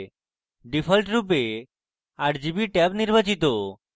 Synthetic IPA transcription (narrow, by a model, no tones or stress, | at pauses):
ɖipʰəlʈɾup̬e | aʈd͡ʒibiʈɛbniɾbat͡ɕit̪o